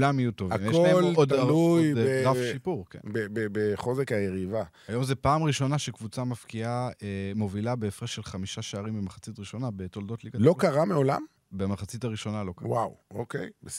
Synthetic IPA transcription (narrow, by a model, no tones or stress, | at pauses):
lamijutovamjkeʃolaelod̪lujeʁafʃipuʁkḛnbebebeχo̞zekajeʁiva | ajo̞mzepaːmʁiʃo̞naʃekvut͡samafkiaemo̞vilabeːfʁeʃelχamiʃaʃeaʁimbemaχat͡sitʁiʃo̞nabeto̞ldo̞tliɡalo̞kaʁameo̞la̰m | bemaχat͡sitaʁiʃo̞nalo̞kawa̰wokḛjbe